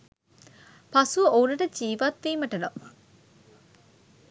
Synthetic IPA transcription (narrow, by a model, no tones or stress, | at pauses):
pasuɐounɐʈəd͡ʒiːʋat̪ʋiːməʈəno